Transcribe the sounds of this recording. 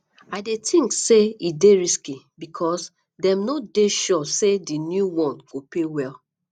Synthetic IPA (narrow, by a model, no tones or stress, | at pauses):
aɪdetʰĩŋkseideɹiski | bikʰɔs | dɛ̃mnodeʃɔsedinjuwɔ̃nɡ̥opewɛl